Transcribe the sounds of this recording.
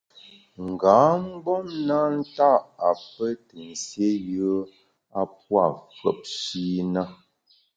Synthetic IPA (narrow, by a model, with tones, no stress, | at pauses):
ŋ̩˨ɡa˨˦m̩˦bɔ˦mna˦n̩˦ta˦ʔa˨pə˦tə˨n̩˨sje˦jə˦ | a˦pwa˦˨fə̰˨p̚ʃi˦na˦